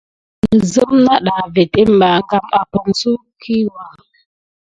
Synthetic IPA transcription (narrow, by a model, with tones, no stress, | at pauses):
nə˨zə˦mna˦ɗa˨ve˨te˦m̩˦ba˨ŋ˦ɡa˦ma˨pɔ˨ŋsu˦ | kʰi˦wa˦˨